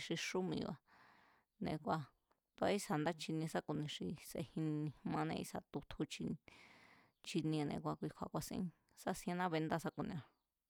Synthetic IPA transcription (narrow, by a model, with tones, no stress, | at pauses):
ʂi˧ʂu˦mĩ˧βa̰˧ | nḛ̃˧kʷa˧ | t̪u˧a˧˦i˦sa˨nd̪a˦t͡ʃi˧nĩ˧sa˦ku˧˨nĩ˧ʂi˧sḛ˧hĩ˧nĩ˧mã˧nẽ˧ḭ˦sa˧t̪u˧t̪ʰu˧t͡ʃi˧ | t͡ʃi˧nĩ˧a˧nḛ̃˧kʷa˧kʷi˧kʷʰa̰˧˨kʷa˧sḭ̃˧˦ | sa˦sĩ˧ã˧nã˦βe˧nd̪a˦sa˦ku˧nḭ̃˧a˧